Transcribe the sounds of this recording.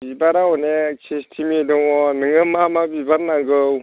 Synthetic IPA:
bibaɾaɔnekʰestʰimidɔŋɔnɯŋɯmamabibaɾ̚naŋɡɯw

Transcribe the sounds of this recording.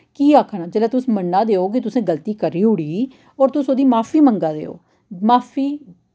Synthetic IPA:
kiːaːkʰɳaːd͡ʒeːlaːt̪ʊsmənːaːd̪eːoːk̬ɪt̪ʊsẽːɡəlt̪iːkəɾiːʊɽiː | ɔːɾt̪ʊsoːd̪iːmaːfʰiːməŋɡaːd̪ḛːo̰ː | maːfʰiː

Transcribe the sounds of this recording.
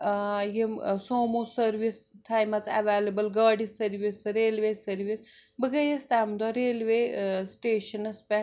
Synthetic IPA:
jemsoːmosɐɾʋis | t̪ʰaːjmɐt͡sɐ̰ʋeːlɐbɐlɡaːɖisɐɾʋisɾeːlʋeːsɐɾʋis | bəɡɐjɐst̪aːmd̪ɔɾeːlʋesʈeːʃɐnɐspɛ

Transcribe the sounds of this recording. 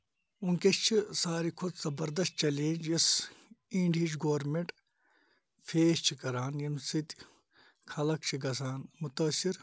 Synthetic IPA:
uŋkest͡ʃʰisaːɾikʰud̪z̥ɐbɐɾd̪ɐst̪̚t͡ʃɐleːd͡ʒjɐsĩɳɖid͡ʒɡoːɾmeɳʈ | fʰeːst͡ʃʰikɐɾaːnjɐmsit̪ | kʰɐlɐk̚t͡ʃʰiɡɐs̬aːnmut̪ɐsiɾ

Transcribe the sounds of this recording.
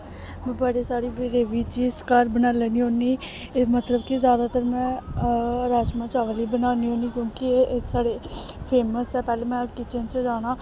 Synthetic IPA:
mɛ̃ːbəɽeːsaːɽiːbɾeːʋiːt͡ʃiːskəɾbənaːlɛːniːɦõːniː | mət̪ləbkizjaːd̪aːt̪əɾmɛ̃ː | əɾaːd͡ʒmãːt͡ʃaːʋəliːbənaːniːɦoːniːkjõːkɪsaːɽeːpʰeːməsɛːpɛːleːmɛ̃ːkɪt͡ʃʰənt͡ʃəd͡ʒaːñaː

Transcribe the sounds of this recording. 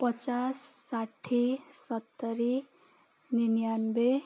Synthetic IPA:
pʌt͡sasːaʈʰːisʌt̪ːʌɾi | ninjanbe

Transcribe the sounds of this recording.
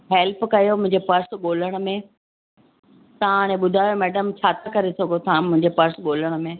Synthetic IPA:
ɦɛlpkɐjomʊ̃ɦɪ̃ɲd͡ʑepɐɾsɠoːləɽ̃ʊ̆mẽ | t̪ɐʋãːɽ̃ẽɓʊd̪ʱaːjomɛːɖəmt͡ɕʰaːt̪ʰakɐɾesɐɡʱot̪ʰãmʊ̃ɦɪ̃ɲd͡ʑepɐɾsɓoːləɽ̃mẽː

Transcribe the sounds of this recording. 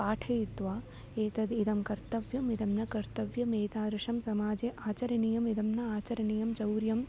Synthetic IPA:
aːʈʰɐit̪ʋaː | eːt̪ɐd̪id̪ɐmkɐɾt̪ɐʋjɐmid̪ɐmnɐkɐɾt̪ɐʋjɐmeːt̪aːd̪ɾɪʂɐmsɐmaːd͡ʒeʔaːt͡ʃɐɾɐnijɐmid̪ɐmnɐaːt͡ʃɐɾɐnijɐmd͡ʒɐwɾjɐm

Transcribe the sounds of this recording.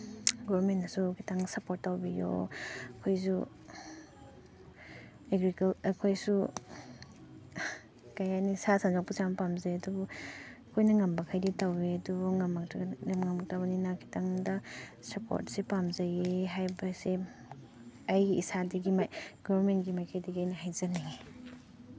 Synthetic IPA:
ɡɔbɾmentasukʰi̥tʰaŋsɐpoɾt̚ːawbijo̰ɐkʰojsu | eɡɾikalɐkʰojsu | kajajnisasand͡ʒɔk̚pusamɐpamzajdubuɐkʰojnɐŋambɐkʰajditaweduŋamakamŋamak̚tabninakʰi̥taŋdɐsɐpʰo̰ɾt̚sepamzajeɦajbɐse | ajɡiisadiɡimaɡɔbɐɾmentɡimajkʰajdiɡajniɦajzane

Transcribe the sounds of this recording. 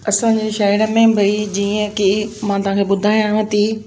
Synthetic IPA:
ɐsãɲd͡ʑeʃaːɪɾə̆mẽbʱɐid͡ʑiːə̃kimãːt̪ɐʋɦãːkʰeːɓʊd̪ʱaːj̃ãɦət̪iː

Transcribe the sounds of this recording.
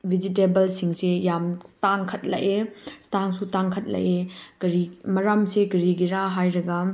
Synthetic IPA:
bʱid͡ʒit̬ebɐlsiŋsejamtaŋkʰɐt̚lɐ̰ʔetaŋsutaŋkʰɐt̚lɐ̰ʔeɡ̥ɐɾimɐɾamseɡɐɾiɡiɾaɦajɾɐɡɐ

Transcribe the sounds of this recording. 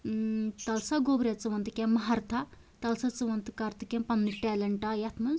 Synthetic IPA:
t̪ɐlsaɡoːbɾet͡sɨʋɐnt̪ɨkʲemːɐɦɐɾt̪ʰa | t̪ɐlsɐt͡sɨʋɐnt̪ɨkaːɾt̪ɨkʲempɐnːiʈɛːlɐɳʈajɐt̪ʰmɐ

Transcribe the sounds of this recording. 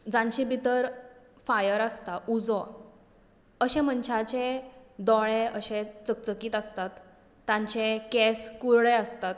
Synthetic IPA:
d͡zãɲt͡ɕibit̪əɾ | fajəɾəst̪aud͡zɔ | əɕɛ̃mənt͡ɕʰat͡ɕẽd̪ɔɭeəɕẽt͡sək̚t͡səkiːt̪əst̪at̪ː | ãɲt͡ɕẽkɛskuɾɭeəst̪at̪

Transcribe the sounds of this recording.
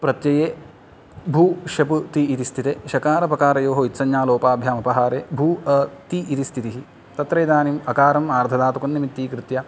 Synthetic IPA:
pɾɐt̪jɐjeː | bʱuːʃɐput̪iːt̪ist̪ʰit̪eːʃɐkaːɾɐpɐkaːɾɐjoːɦoit̪sɐnjaːloːpaːbʱjaːmɐpɐɦaːɾeːbʱuːɐt̪iʔːt̪ist̪ʰit̪iɦi | t̪ɐt̪ɾɐjd̪aːnimɐkaːɾɐmaːɾd̪ʱʰɐd̪aːt̪ukɐnːɐmit̪ːiːkɾit̪jɐ

